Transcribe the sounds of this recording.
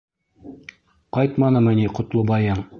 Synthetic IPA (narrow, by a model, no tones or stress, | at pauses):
qɑjt̪mɑnɤmɘ̆nʲiqŏt̪lˠobɑjɤɴ